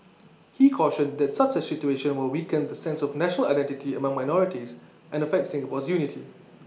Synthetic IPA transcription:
hikʰɔʃə̃nd̪ɛtsat͡ʃəsitueʃə̃nwɪlwikə̃nd̪əsɛ̃nsɔfnɛʃnəlaɪdɛ̃ntitʰiəmãŋmaɪnɔɹitis | ʔɛ̃nəfɛk̚tsɪ̃ŋɡəpɔsjunitʰi

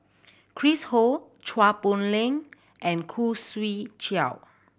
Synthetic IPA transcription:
kʰɹisho | t͡ʃʰwapõnlẽŋ | ʔɛ̃nkʰuswit͡ʃa̰w

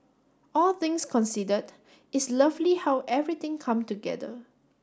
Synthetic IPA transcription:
ɔlθɪ̃ŋskʰɔ̃nsidəd | ɪslʌvlihawʔɛvɹit̪ɪ̃ŋkʰãmtuɡɛ̰də̰

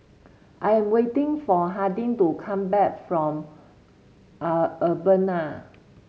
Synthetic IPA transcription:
ʔajɛ̃mwetĩŋfɔɦadĩŋtukʰãmbɛk̚fɹɔ̃m | əbəna

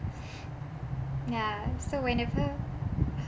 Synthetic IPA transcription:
jasəwɛ̃nɛvə

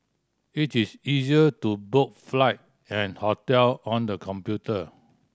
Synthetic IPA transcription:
itisiziətubok̚flaɪt̚ | ɛ̃nhɔtɛlɔ̃ndəkʰɔ̃mpjutə

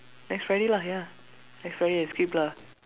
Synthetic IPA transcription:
nɛkstɹɛɖilaja | nɛkstɹɛɾiɛskipla

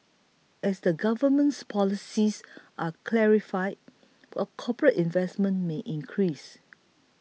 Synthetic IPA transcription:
ɛsdəɡavəmə̃nspʰɔlisisʔakʰlɛɹifajd̚ | wɛkʰɔpɹətĩnvɛsmə̃nmeʔĩnkʰɹis

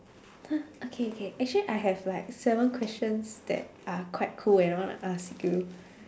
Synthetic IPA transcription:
haokʰeokʰeʔɛk̚t͡ʃəliʔaɪɦɛvlaɪk̚sɛvə̃nkʰwɛst͡ʃə̃nsdɛ̰t̚akʰwaɪt̚kʰulɛ̃naɪjwɔ̃ntṵʔaskju

